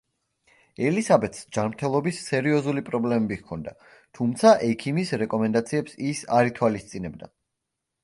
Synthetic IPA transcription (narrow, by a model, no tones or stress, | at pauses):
ɛlisabɛt̪ʰsd͡ʒanmɾt̪ʰɛlˠɔbisːɛɾiɔzulipʼɾɔblɛmɛbiɣkʰɔnd̪a | t̪ʰumt̪sʰaʔɛkʰimisɾɛkʼɔmɛnd̪at̪sʰiɛpsisa̰ɾit̪ʰwalist̪sʼinɛb̚d̪a̰